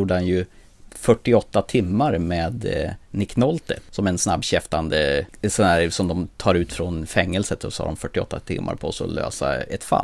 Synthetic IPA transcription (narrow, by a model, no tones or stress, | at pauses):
uːɖəhanjɵ | fœʈːɪɔt̪ːat̪ʰɪmːaɾmeːd̪nɪknɔlt̪ə̰sɔmɛnsnabːɕɛft̪and̪əsɔnd̪æːɾsɔmd̪ɔmt̪ʰɑːɾʉ̟ːt̪fɾɔnfɛŋːəlsət̪ɔsɔha̰ɖɔmfœʈːɪɔ̰t̪ːat̪ʰɪ̰mːʔa̰ɾpʰɔsɔ̰lø̰ːsa̰ɛt̪fa̰l